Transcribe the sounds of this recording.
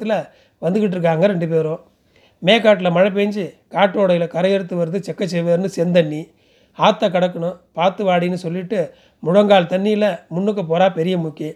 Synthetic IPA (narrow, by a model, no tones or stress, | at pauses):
ɪlɐ | ʋɐnd̪ɯkɪʈːɯɾɯk̬ːaːŋɡɐɾɛɳɖɯp̬eːɾõː | meːkːaːʈ̬ːɪlɐmɐɻɐp̬eːɲd͡ʒɯkaːʈːoːɽɐjɪlɐkɐɾɐjɛɾɯt̪ːɯʋɐɾɯðɯt͡ʃɛkːɐt͡ʃːɛʋeːɾɯnɯsɛnd̪ɐnːi | aːt̪ːɐkɐɽɐkːɐɳʊ̃paːt̪ːɯʋaːɽinːɯsɔlːɪʈːɯ | mʊɻɐŋɡaːlt̪ɐnːijɪlɐmʊɳːɯkːɯpoːɾaːpɛɾɪjɐmʊkːi